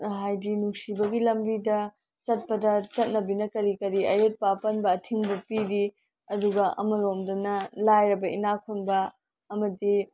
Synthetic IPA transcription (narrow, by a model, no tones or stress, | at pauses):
ɦajdinuŋsibɐɡilɐmbidɐ | t͡ʃɐt̚pɐdɐt͡ʃɐt̚nɐbinɐkɐɾikɐɾiɐjet̚papɐnbɐːtʰiŋbɐpiɾi | ɐduɡɐʔɐ̰mɐlomdɐnɐlajɾɐbɐḭnakʰunbɐ | ɐmɐdi